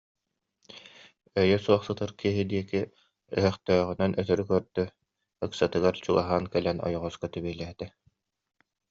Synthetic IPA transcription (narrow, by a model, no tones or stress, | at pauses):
œjœsuɔχsɯt̪ɯɾkiɦid̪iɛkiː | ɦœχt̪œːʁynœnʔœt̪œɾykœɾd̪y | ɯksat̪ɯɡaɾt͡ɕuɡaɦaːnkɛlɛnɔ̰jɔʁɔskat̪ybiɛlɛɦɛt̪ɛ